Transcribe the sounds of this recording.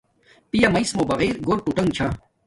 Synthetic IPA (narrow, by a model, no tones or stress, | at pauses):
pijamɐismobɐɣeːɾɡoɾpuʈɐŋɡt͡ɕʰaː